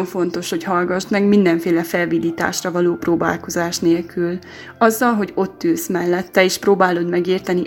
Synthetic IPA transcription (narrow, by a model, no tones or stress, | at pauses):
ɱfo̞nt̪o̞ʃho̞chɒlɡɒʃt̪mɛɡmind̪ɛɱfeːlɛfɛlvid̪iːt̪a̰ːʃrɒvɒloːproːba̰ːlko̞zaːʃneːlkʰyl | ɒzːɒlɦo̞ɟo̞t̪ːylsmɛlːɛt̪ːɛeːʃproːbaːlo̞d̪mɛɡeːrt̪ɛni